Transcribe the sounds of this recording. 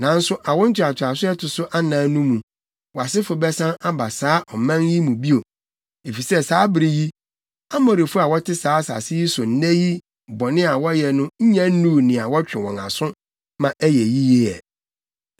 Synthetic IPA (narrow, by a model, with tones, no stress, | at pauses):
nã˨˦n̩˦sʊ˦ʔa˨wɔ̃˦n̩˦t͡ɕʰᶣɪ˨a˨t͡ɕʰᶣa˨sʊ˦ɛ˦tʰʊ˨sʊ˦ʔa˦nãː˨˦nũ˦mũ˨ | wɔ˨a˨sɪ˦fʊ˨bɛ˦sã˦na˦ba˨saː˦ʔɔ˨mã˦nji˦mũ˨bi˦o˨ | e˨fi˨sɛ˦saː˨˦bɪ˨ɾi˦ji˦ | a˦mɔ̃˨ɾɪ˨fʊ˦a˨wɔ˦tʰɪ˦saː˨˦sa̰˨sɪ˦ji˦sʊ˨n̩˦nɛ˦ji˦ | bɔ˨nɪ̃˦a˨wɔ˦jɛ˨nʊ̃˦ɲ̩˦ɲɛ̃˦nũ˦nɪ̃˨a˨wɔ˦t͡ɕᶣɪ̃˨wɔ̰̃˨na̰˨sʊ̃˦ | mã˨ʔæ˦jɛ˨ji˦je˦ɛ̰˨